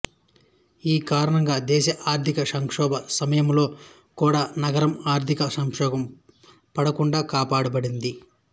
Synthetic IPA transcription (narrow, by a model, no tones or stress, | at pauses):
iːkaːɾɐɳɐŋɡaːd̪ɛːʃɐʔaːɾt̪ʰikɐʃɐŋkʂɔːbɐsɐmɐjɐmlo̞ː | kuːɽaːnɐɡɐɾɐmaːɾt̪ʰikɐsɐŋkʂɔːɡɐm | pɐɽɐkuɳɖaːkaːpaːɽɐbɐɽind̪i